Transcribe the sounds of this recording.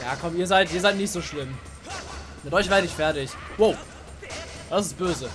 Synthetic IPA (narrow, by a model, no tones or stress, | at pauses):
jaːkʰɔmiːɐzaɪtʔiːɐzaɪtnɪçtz̥oːʃlɪm | mɪtʔɔʏçveːɐɾəɪçfɛɐtɪç | woʊ | d̥asɪst̚b̥øːzə